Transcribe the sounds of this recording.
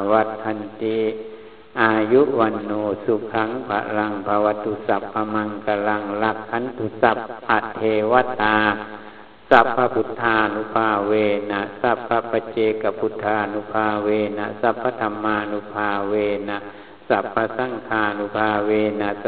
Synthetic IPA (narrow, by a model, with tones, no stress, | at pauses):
wa˧t̪̚kʰa˧nt̪i˧ | ʔa˧ju˦ʔwa˧nːoː˧su˧kʰa˧˦ŋpʰa̰˧la˧ŋpʰa˧wa˧t̪ʰːu˧sa˧˨pʰːa˧ma˧ŋka˧la˧ŋla˧kʰːa˧˦nt̪ʰu˧sa˧˨p̚ʔa˧˨t̪ʰːeː˧wa˦t̪a˧ | sa˧pʰːa˧pʰu˧t̪ʰːaː˧nu˧pʰaː˧weː˧na˧˨ʔsa˧pʰːa˧pːa˧t͡ɕeː˧˨ka˧pʰu˧t̪ʰaː˧nu˧pʰaː˧weː˧na˧sa˧pʰːa˧t̪ʰa˧maː˧nu˧pʰaː˧weː˧na˧˨ | sa˧pʰːa˧sa˧˨ŋkʰaː˧˨nu˧pʰaː˧weː˧na˧